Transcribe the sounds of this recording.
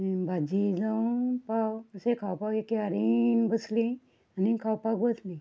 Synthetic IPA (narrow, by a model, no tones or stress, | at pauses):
bʱad͡ʑid͡zapawəsekʰawpakekeaɾinbəslĩ | anikʰawpakbəslĩ